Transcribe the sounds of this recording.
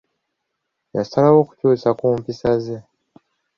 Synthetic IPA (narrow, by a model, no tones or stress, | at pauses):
jasalawoːku̥cuːsakuːmpisaze